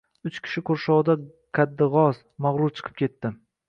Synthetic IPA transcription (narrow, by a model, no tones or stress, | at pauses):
ʊt͡ʃkʲʰɪ̥ʃɪkʰoɾʃɒʁd̪a | kʰʲad̪ːɪʁɒz | maʁɾʊɾt͡ʃʰɨ̥qʰɨ̥p̚kʲe̞t̪ːɪ